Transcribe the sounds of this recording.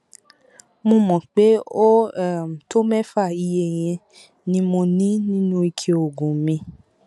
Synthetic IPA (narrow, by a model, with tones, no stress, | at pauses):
mõ˧mɔ̃˨k͡pe˨˦o˦ɛ˦˨m̩˨to˦mɛ˦fa˦˨i˧je˨j̃ɛ̃˧ | nĩ˧˦mo˧nĩ˦nĩ˦nũ˦i˧kʰe˧o˨ɡũ˨mĩ˧